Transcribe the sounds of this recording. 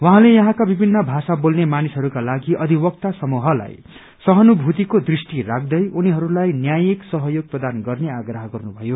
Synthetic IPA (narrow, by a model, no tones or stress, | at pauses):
wʌɦãlejʌɦãkabibʱinːʌbʱasabolnemanisɦʌɾukalaɡiʔʌd̪ʱibʌk̚t̪asʌmuɦʌla̰j | sʌɦʌnubʱut̪ikod̪risʈirak̚ʰd̪ʌjʔuniɦʌɾulajnjajeksʌɦʌjoɡ̚prʌd̪anɡʌrneaɡraɦʌɡʌrnubʱʌjo